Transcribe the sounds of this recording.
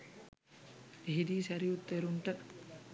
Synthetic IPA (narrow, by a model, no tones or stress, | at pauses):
eɦid̪iːsæɾiut̪ːeɾuɳʈə